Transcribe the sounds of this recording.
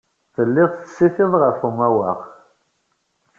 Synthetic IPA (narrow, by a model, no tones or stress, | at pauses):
θəlːɪðˤθə̥sːiθɪðˤʁəfumæwə̰ʁ